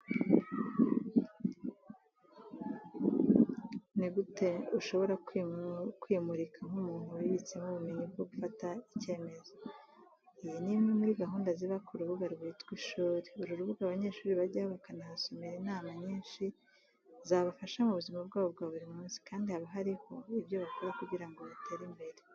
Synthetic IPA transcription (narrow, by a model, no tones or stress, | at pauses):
niɡute̞uʃo̞βo̞ɾakkwimuɾikʰaŋ̥umuːn̥huwiβit͡semuβumiɲibɡoɡufataice̞ːme̞zo | ijinimŋemuɾiɡaɦuːndaziβakuɾuβuɡaɾɡitɡwiʃuːɾiuɾuɾuβuɡaːβaɲe̞ːʃuːɾiβaɾɟahoβakanahaso̞meɾinaːmaɲiːnʃi | zaːβafaʃaumuβuzimabɡaːβobɡaːβuɾimumuːnsi̥kaːndihaβaɦaɾiho̞ibjo̞βako̞ɾakuɟiɾaŋɡo̞βatʰe̞ːɾimbe̞ɾe